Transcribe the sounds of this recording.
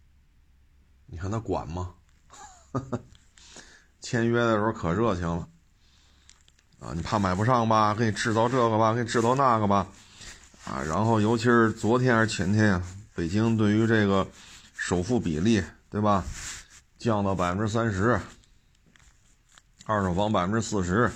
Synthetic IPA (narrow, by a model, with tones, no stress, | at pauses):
ni˨˩kʰa˥˩nt̪a˥kwa̰˨˩nmɐ˦ | t͡ɕʰjɛ˥nɥɛ˥d̪ə˨ʂɻ̩˧˥˧kʰɤ˨˩ɻɤ˥˩t͡ɕʰi˧˥ŋlə˧ | a̰˧˩ni˨˩pʰa˥˩ma˨˩ɪpu˧˥ʂɑ˥˩ŋbɐ˩kʰɤ˧˥i˨˩ʈ͡ʂɻ̩˥˧t͡sɑ˥˧ʊʈ͡ʂɤ˥˩ɡə˩bɐ˩kʰɤ˧˥i˨˩ʈ͡ʂɻ̩˥˧t̪ɑ˥˧ʊna˥˩ɡə˩bɐ˩ | ɐ̰˧ɻa̰˧˥nxo˥˩ʊjo˧˥ʊt͡ɕʰi˧˥ʂɻ̩˥˩t͡swɔ˧˥t̪ʰjɛ˥nə˞˧˥t͡ɕʰjɛ˧˥nt̪ʰjɛ˥npe˨˩ɪt͡ɕi˥ŋt̪we˥˩ɪy˧˥ʈ͡ʂɤ˥˩ɡə˩ʂo˨˩ʊfu˥˩pḭ˨˩li˥˩t̪we˥˩ɪbɐ˩ | t͡ɕjɑ˥˩ŋd̪ə˩pa˨˩ɪfə˦˥ʈ͡ʂɻ̩˥s̬a˥nʂɻ̩˧˥ | ɐ˥˩ʈ͡ʂo˨˩fɑ˧˥ŋpa˨ɪfə˧nʈ͡ʂɻ̩˥sɹ̩˥˩ʂ̬ɻ̩˧˥